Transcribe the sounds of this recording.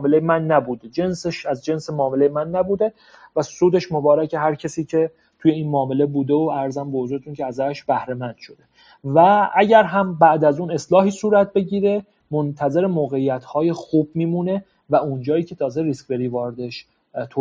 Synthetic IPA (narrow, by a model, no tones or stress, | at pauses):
melejemænːæbuːd̪ed͡ʒenseʃæzd͡ʒe̞nsemɒːme̞le̞jemænːæbuːd̪e̞ | væsuːd̪e̞ʃmo̞bɒːɾæcʰe̞ɦæɾcʰesiːcʰe̞ | t̪ʰuje̞iːnmɒːme̞le̞buːd̪eoæɾzæmbevozuːɾet̪ʰuncʰeæzæʃb̥æhɾe̞mænd̪̥ʃo̞d̪e̞ | vææɟæɾɦæmbæʔd̪æzuːne̞slɒːɦiːsuːɾæt̪̚be̞ɟiːɾe̞ | mont̪ʰæze̞ɾemoːɣe̞ijæt̪ʰhɒːje̞xuːb̚miːmuːne̞ | væund͡ʒɒːjiːcʰe̞t̪ʰɒːzeɾiskʲve̞ɾiːvɒːɾed̪e̞ʃ | t̪ʰo